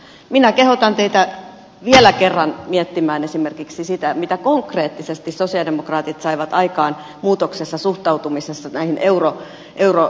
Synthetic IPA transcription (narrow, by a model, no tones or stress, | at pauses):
minækehot̪ɑnt̪eit̪æ | ʋielækerːɑnmiet̪ːimæːnesimerkiksisit̪æmit̪ækoŋkreːt̪ːisest̪issosiɑdemokrɑːt̪it̪sɑiʋɑt̪ɑikɑːn | muːt̪oksesːɑsuht̪ɑut̪umisesːɑnæihinʔeuro | ʔeuro